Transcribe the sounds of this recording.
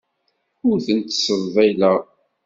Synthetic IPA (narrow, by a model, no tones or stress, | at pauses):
ʊɾθənt̪səɾˤvæjlæ